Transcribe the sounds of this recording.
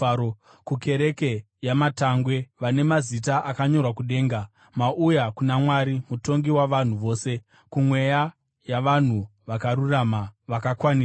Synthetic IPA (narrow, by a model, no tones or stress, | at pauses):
o | kuke̞ɾe̞ke̞ | jamataŋɡwe̞ʋane̞mazitaʔakaɲo̞rwakuɗe̞ːŋɡa | maʔujakunamwaɾimuto̞ŋɡiwaʋan̤uʋo̞ːse̞ | kumwe̞ja | jaʋan̤uʋakaɾuramaʋakakwani